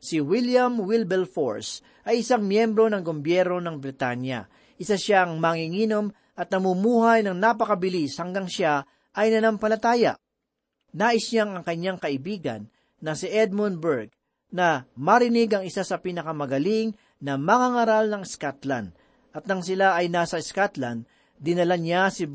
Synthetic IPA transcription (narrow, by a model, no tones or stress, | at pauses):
sɪwiljɐmwɪlbɛlfo̰ɹs | ʔɐjɪsaŋmjɛmbɾo̞nɐŋɡombjɛɾno̞nɐŋbɾɪt̪anjɐ̰ | ʔɪsaʃaɐŋmaŋiŋiːnom | ʔɐt̪̚nɐmumuːhajnɐŋnapɐkɐbɪlishɐŋɡaŋʃa | ʔɐjnɐnɐmpɐlɐt̪aːjɐ̰ʔ | naːʔɪsaŋɐŋkɐɲːaŋkɐʔɪbiːɡɐ̰nː | ɐsɪʔɛd̪̚munbɛɹɡ̚ | nɐmɐɾɪnɪɡɐŋɪsasɐpinɐkɐmɐɡɐliŋ | nɐmɐŋaŋaɾalnɐŋɛskat̪la̰nd̪ | ʔɐt̪̚nɐŋsɪlaʔɐjnaːsɐɪskat̪lɐnd̪̚ | d̪ɪnɐlanjasɪ